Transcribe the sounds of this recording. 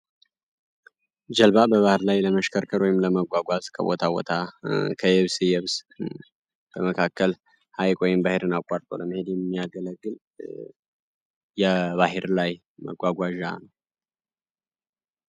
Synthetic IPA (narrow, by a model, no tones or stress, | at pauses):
d͡ʒəlbabəβahɨɾlajləməʃkʰəɾkʰəɾwɔjɪmləməɡʷaɡʷazkʰə̰βo̰t̪ʰabo̞̰t̪ʰakʰəjɛβsijɛβs | b̥əməkʰakːəl | hajkʼwɔjɪmbaheɾɨnakʼaɾt̪ʼo̞̰ləmɨhe̞d̪jɛmːijaɡələɡːɨl | jɛβaɦeɾlaj | mə̰ɡʷaɡʷaʒa̰nəw